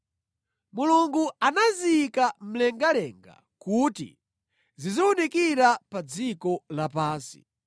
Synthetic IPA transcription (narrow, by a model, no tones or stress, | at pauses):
muluŋɡuanaziːkam̩lɛŋɡalɛŋɡa̰ | kuːtḭ | zizɔwunekiɾapad͡zikɔlapaːnsi̥̰